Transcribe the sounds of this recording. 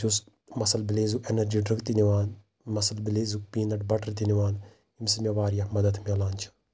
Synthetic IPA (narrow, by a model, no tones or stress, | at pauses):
d͡ʒus | mɐsɐlbɪleːzuʔenɐɾd͡ʒiːɖɾɐɡt̪iniʋaːn | mɐsɐlbɪleːzupiːnɐʈbɐʈɐɾt̪iniʋaːn | imsimʲjɐʋaːɾijamɐd̪əd̪mʲɐlaːnt͡ʃʰɐ̥